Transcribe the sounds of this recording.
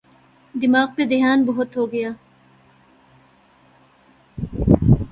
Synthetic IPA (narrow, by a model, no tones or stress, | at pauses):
d̪ɪmaːqped̪ɪɦaːnbʊɦʊt̪ɦoːɡɐjaː